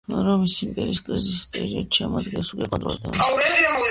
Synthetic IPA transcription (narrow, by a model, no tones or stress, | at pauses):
ɾɔmisimpʼɛɾiːskʼɾizisispʼɛɾiɔd̪ʃɛmɔd̪ɡɛsukʼɛkʼɔ̃nt̪ʼɾṵld̪ɛ̰s